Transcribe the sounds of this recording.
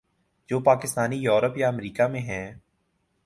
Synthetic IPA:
d͡ʒoːpaːkɪst̪aːnijoːɾəpjaəmɾiːkamẽɦɛ̃ː

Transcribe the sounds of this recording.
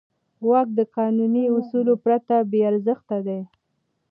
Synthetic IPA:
wɑk̚d̪əqɑnuniʊsulopɾat̪abeaɾzəxt̪ad̪e

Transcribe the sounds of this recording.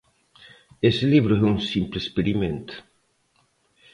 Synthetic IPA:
esɪliβɾʊɛuŋsimplespeɾimẽnt̪ʊ̥

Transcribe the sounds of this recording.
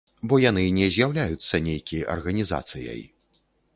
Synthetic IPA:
bɔjan̪ɨnʲɛzʲjawlʲajut̪sːɐnʲejkʲijʔɐ̰rɣɐnʲiza̰t̪sɨjɐ̰j

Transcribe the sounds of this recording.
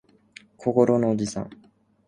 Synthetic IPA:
kʰoko̞ɾo̞noːd͡ʑisã̰ŋ

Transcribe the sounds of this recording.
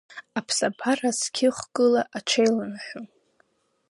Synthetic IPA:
apʰsapʰaraskʲʰɪχʷɡʼɨlaʔat͡ʃʰejlamħʷᶣo

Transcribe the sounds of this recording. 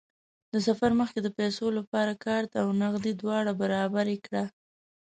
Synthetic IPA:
d̪əsafaɾməxked̪əpajsolapɑɾakɑɾt̪awnaɣd̪id̪wɑɽabaɾɑbaɾekɽa

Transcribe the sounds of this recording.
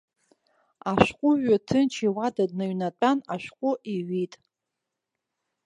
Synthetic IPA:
aʃʷqʷʼʊʒatʰɨnt͡ʃʰiwadad̚naɥnat͡pʼanaʃʷᶣqʷʼʊʔiɥitʼ

